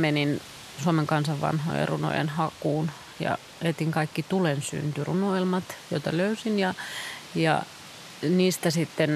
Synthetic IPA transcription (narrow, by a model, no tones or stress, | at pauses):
menin | suomeŋkɑnsɑʋʋɑ̰nho̰ḛrṵno̰jḛnhɑkuːn | jɑ̰ | et̪iŋkɑikːit̪ulensy̰nt̪yrunoelmɑt̪joit̪ɑløysinjɑjɑ̰ | niːst̪æsit̪ːen